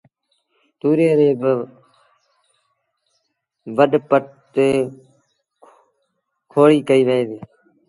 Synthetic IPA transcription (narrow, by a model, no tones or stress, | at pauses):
t̪uːɾeːɾeːbə | ʋəɗpəʈ̚ | t̪eː | kʰoːɽiːkəiːʋeeːd̪iː